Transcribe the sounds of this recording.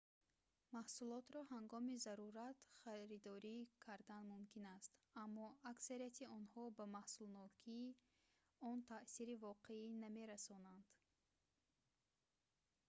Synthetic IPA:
mahsulɔt̪ɾɔhaŋɡɔmizaɾuɾat̪χaɾid̪ɔɾikʰaɾd̪anmumkinast̪amːɔaksaɾijat̪ʰiɔnhɔbamahsulnɔkʰiː | ɔnt̪ʰaʔsiɾivɔqeiname̞ɾasɔnand̪̥

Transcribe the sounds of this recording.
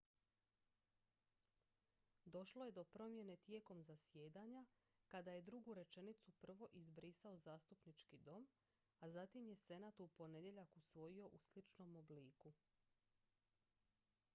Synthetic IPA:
d̪o̞ʃlo̞je̞d̪o̞pɾo̞mje̞ne̞t̪je̞ːko̞mzasje̞ːd̪aɲa | kad̪aje̞d̪ɾuɡuɾe̞t͡ʃe̞nit̪supr̩ʋo̞ʔizbɾisao̞zaːst̪upnit͡ʃkid̪o̞m | azat̪imje̞se̞naːt̪upo̞ne̞d̪je̞ʎakusʋo̞jio̞ʔuslit͡ʃno̞mo̞bliːku

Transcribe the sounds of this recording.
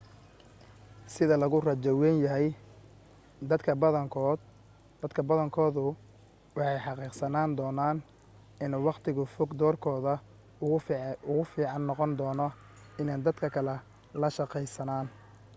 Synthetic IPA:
sɪðɐlɐɣʊrɐt͡ʃɐwɛnjɐɦɛj | d̪ɐkʰɐbɐŋkːd̪ | ɐd̪kʰɐbɐðɐŋkʰɔːðʊ | wɑħɑjħɑqiːqsɐnaːnd̪ɔːnaːn | ɪnɛwɑqt̪ʰɪɣʊfɔɡd̪ɔːrkʰɔːðɐ | ʊɣʊfiːʕɑnːɔqɔnd̪ɔːnɔ | ɪnaːnd̪ɐd̪kʰɐkʰɐlɛ | lɐʃɑqɛjsɐnaːn

